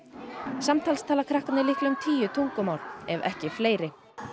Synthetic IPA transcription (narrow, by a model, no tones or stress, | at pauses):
samt̪ʰaːlst̪ʰaːlakʰɾahkanɪlɪhklʏmt̪ʰiːjʏt̪ʰuŋkʏmaːwɾɛvɛ̰hcɪfleːjɾɪ